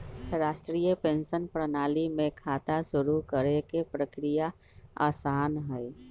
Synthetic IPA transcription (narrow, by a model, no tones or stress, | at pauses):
ɾaːʃʈɾijəpẽnʃənpɾənaːlimẽkʰaːt̪asʊɾuɾkəɾekepɾəkɾija | a̰ːsaːnɦɛɛ